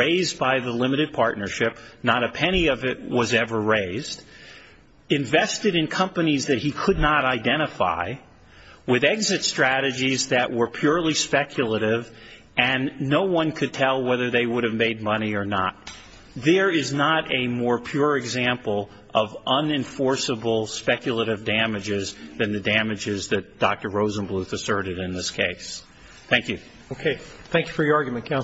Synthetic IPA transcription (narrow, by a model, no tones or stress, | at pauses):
eɪzbaɪðəlɪ̃mɨɾɨd̚pʰɑɹtⁿnə˞ʃɪp̚nəɾɨpʰɛɾ̃iʌvɪt̚wʌzɛvə˞ɹeɪzd | ɨ̃ɱvɛstɨɾɨ̃nkʰʌ̃mpɨnizðɨt̚hikʰɨdⁿnəɾaɪdɛ̃ɾ̃ɨfa̰ɪ | wɪðɛɡzɨtstɹ̥æɾɨd͡ʒizðɨʔwə˞pʰj̥ʊɹlˠispɛkʰjl̩ˠəɾɪv | ɨ̃nːoʊwʌ̃nkʰɨd̚tʰɛlˠwɛðə˞ðeɪwʊɾɨvmeɪd̚mʌniə˞nə̰t̚ | ðə˞ɪznəɾɨmɔɹpʰj̥ʊɹɨɡzæ̃mpl̩ˠ | ʔʌvʌ̃nɨ̃ɱfɔɹsəbl̩ˠspɛkjl̩ˠəɾɨvdæmɨd͡ʒɪzðɨ̃nðɨdæmɨd͡ʒɪzðɨt̚d̥ɑk̚tə˞ɹoʊzə̃nbluθɨsɜ˞ɾɨɾɨ̃nðɪskʰeɪs | θæ̃ŋkjʉ | okʰeɪθæ̃ŋkjʉ̥fə˞jə˞ɑɹɡjmɨ̃nkʰã